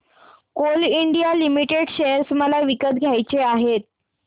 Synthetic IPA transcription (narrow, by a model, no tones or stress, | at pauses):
koliɳɖijalimiʈeɽɕeəɾsməlaʋikət̪ɡʱjajt͡ɕeaɦet̪̚